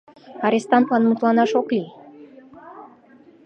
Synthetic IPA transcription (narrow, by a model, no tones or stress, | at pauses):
ɑɾest̪ɑnt̪lɑnmut̪lˠɑnɑʃokli